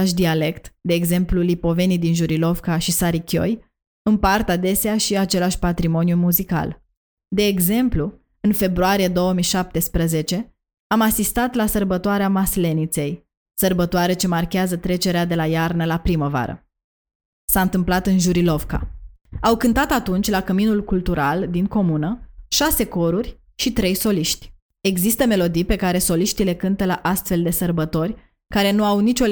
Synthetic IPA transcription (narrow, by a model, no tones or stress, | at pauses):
aʃ̬d̪iale̞kt̪d̪e̞ːɡze̞mplulipo̞ve̞nijd̪inʒuɾilo̞vkaʃisaɾikʲo̞̰j | ɨnpart̪ad̪e̞seaʃiat͡ʃe̞laʃʲpat̪ɾimo̞njumuzika̰l | d̪e̞ːɡze̞mplu | ɨnfe̞bɾuaɾije̞d̪o̞wəmijʃap̚t̪e̞spɾəze̞t͡ʃe̞ | amasist̪at̪lasərbət̪oaɾeamasle̞nit̪se̞j | sərbət̪oaɾe̞t͡ʃe̞markʲeazət̪ɾe̞t͡ʃe̞ɾead̪e̞lajarnəlapɾiməva̰ɾə̰ | saɨnt̪ɨmplat̪ɨnʒuɾilo̞vka̰ | awkɨnt̪at̪at̪unt͡ʃʲlakəminulkult̪uɾald̪iŋko̞munəʃase̞ko̞ɾurʲ | ʃit̪ɾe̞jso̞liʃt̪ʲ | e̞ɡzist̪əme̞lo̞d̪ijpe̞kaɾe̞so̞liʃt̪ile̞kɨnt̪əlaʔast̪fe̞ld̪e̞sərbət̪o̞rʲ | kaɾe̞nuawnit͡ʃo